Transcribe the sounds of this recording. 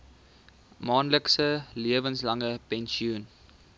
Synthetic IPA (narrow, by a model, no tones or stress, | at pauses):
mɑːnləksəliəvənslɐŋəpɛnʃiun